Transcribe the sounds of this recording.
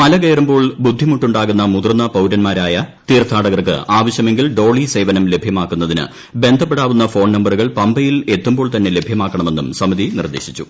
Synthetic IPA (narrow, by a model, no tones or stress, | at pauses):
mɐlɐkeːɾɐmbo̞ːɭbud̪ʱːimuʈːuɳɖaːɣunːɐmuðrnːɐpɐwɾɐnmaːɾaːjɐt̪iːrt̪ʰaːɽɐɣɐrkɨ̰ʔaːʋɐɕjɐme̞ŋɡilɖo̞ːɭise̞jʋɐnɐmle̞bʱjɐmaːkːunːɐðinɨ̰ | be̞nd̪ʱɐpːeɽaːʋunːɐfo̞ːɳnɐmbɐruɣɐɭpɐmbɐjile̞t̪ːumbo̞ːɭt̪ɐnːe̞le̞bʱjɐmaːkːɐɳɐme̞nːumsɐmɐðinḭrd̪e̞̰ːɕit͡ɕːṵ